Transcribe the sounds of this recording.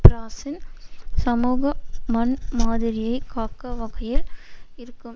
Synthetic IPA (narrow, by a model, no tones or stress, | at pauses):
pɾaːsɪnsɐmuːɣɐmɐnmaːðɪɾɪjɐɪkaːkːɐʋɐɣɐjɪlɪɾɯkːɯm